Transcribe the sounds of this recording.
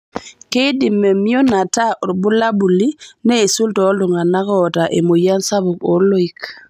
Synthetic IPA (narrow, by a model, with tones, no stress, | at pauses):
ke˦di˨mːe˨mi˦o˦na˨ta˦ʔɔ˨ɾbu˦la˦bu˨li˦neː˦˨su˦ltɔ˦ldɔ˨ŋa˨na˦kɔta˨ʔe˨mo˨ja˦nsa˦bu˨ko˨lo˦i˨k